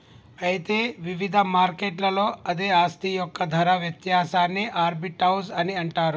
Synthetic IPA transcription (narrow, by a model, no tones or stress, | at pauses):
ɐjt̪eːʋiʋid̪ʱɐmaːɾkeːʈlɐlo̞ːɐd̪eaːst̪ʰijɔkːɐd̪ʱɐɾɐʋjɐt̪jaːsaːnːiʔaːɾbiʈɐwsɐniɐɳʈaːɾu